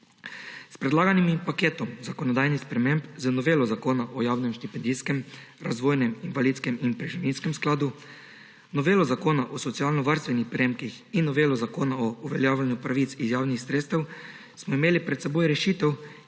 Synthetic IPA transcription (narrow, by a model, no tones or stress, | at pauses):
spɾɛd̪laːɡanimipakeːt̪ɔmzakɔnɔd̪aːjnispɾɛmẽmbzənɔʋeːlɔzakoːnaʔɔjaːwnɛmʃt̪ipɛnd̪iːskɛm | ɾazʋoːjnɛminʋaliːt̪skɛminpɾɛʒiʋinskɛmsklaːd̪u | nɔʋeːlɔzakoːnaʔɔsɔt̪sijaːlnɔʋaɾst̪ʋɛnixpɾʲemkix | inːɔʋeːlɔzakoːnaɔuʋɛljaːwlʲanjupɾaʋiːt̪sizjaːwnixsɾeːt̪st̪ɛw | smɔimeːlipɾɛt̪sɛboːjɾɛʃiːt̪ɛw